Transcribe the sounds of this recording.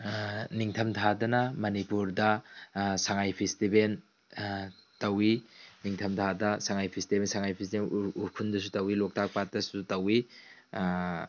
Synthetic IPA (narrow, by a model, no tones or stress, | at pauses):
niŋtʰɐmtʰadɐnɐmɐnipuɾdɐsaŋajpʰistiben | tɐwiniŋtʰɐmtʰadɐsaŋajpʰistibensaŋajpʰistibenukʰundɐs̬utɐwilok̚tʰak̚pat̚dɐsutɐwi